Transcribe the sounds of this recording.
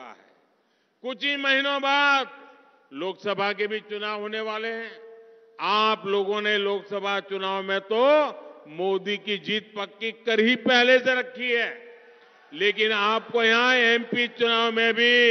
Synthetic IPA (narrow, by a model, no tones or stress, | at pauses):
a̰ɦɛ̰ː | kʊt͡ʃʰimɐɦinõbaːd̪̚ | loːksɐbʱak̬ebʱit͡ʃʊnaːʋɦoːneʋaːleɦɛ̃ː | aːploːɡõneloːksɐbʱat͡ʃʊnaːʋmẽt̪omoːd̪ikid͡ʒiːt̪̚pɐkːikɐɾɦipɛɦleseɾɐkʰːiɦɛː | leːkɪnaːp̚kojɐɦãɛːmpit͡ʃʊnaːʋmẽbʱi